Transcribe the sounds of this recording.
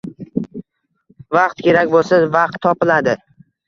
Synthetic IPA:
vɑqt̪kʲe̞ɾakʲbolˠsavaɑqt̪ʰːɒpɪlad̪ɪ

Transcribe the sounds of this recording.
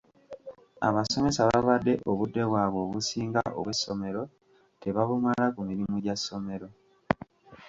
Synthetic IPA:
a̰βaso̞me̞saβaβadːe̞ʔoβudːe̞βwaːβo̞ːβusiːŋɡaʔo̰βwe̞sːo̞me̞ɾo̞ | te̞βaβumalakumiɾimuɟasːo̞me̞ɾo̞

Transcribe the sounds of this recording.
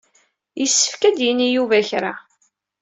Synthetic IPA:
jəsːə̥fkæd̪jənːijuvæçɾa̰

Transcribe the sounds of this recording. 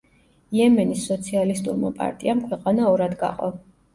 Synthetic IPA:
ijɛmɛnisːɔt̪sʰialist̪ʼuɾma̰pʼa̰ɾt̪ʼiamkʰwɛqʼanaɔɾad̪ɡa̰qʼɔ̰

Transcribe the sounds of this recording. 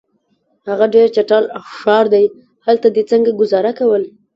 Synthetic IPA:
haɣaɖeɾt͡ʃaʈɑlaʃɑɾd̪aj | halt̪ad̪et͡səŋɡaɡʊzɑɾakawəl

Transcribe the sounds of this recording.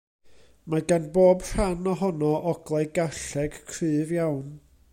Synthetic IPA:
maɡanboːbr̥anɔɦɔnɔʔɔɡ̥lˠɛjɡaɬɛɡ̥kʰrɨːvjawn

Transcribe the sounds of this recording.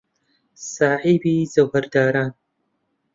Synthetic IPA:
saːħiːbiːzɐwhɐɾd̪aːɾaːn

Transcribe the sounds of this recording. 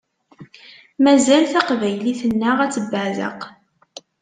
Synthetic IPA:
mæzælθaqvæjliθənːəʁæt͡sːəbːəʕðə̰q

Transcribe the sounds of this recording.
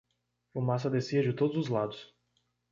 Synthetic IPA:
ʊmas̬ɐd̪esiɐd͡ʒɪt̪od̪ʊzʊzlad̪ʊs

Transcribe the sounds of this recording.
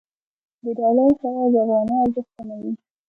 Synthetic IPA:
d̪əɖɑlajsaɾad̪əavɣɑnɑazəxt̪anawi

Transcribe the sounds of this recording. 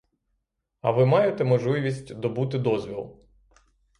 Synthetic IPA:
ɐ̰ʋɪmɑjet̪ɛmɔʒlˠɪʋʲisʲtʲd̪ɔbut̪ɪd̪ɔzʲʋʲilˠ

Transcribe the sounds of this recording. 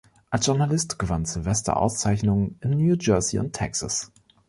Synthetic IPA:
ʔalsʒ̥ʊɐnalɪstɡ̥əvanzɪlvɛstɐ̰ʔa̰ʊst͡saɪçnʊŋənɪnːjuːd͡ʒɜɐziʊ̰ntʰɛksa̰s

